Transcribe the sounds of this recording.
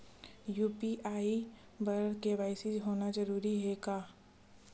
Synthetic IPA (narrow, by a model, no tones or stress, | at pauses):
juːpiʔaːi | bəɾkeʋaːɪsɪzɦoːnazɐɾuːɾiɦɛkaː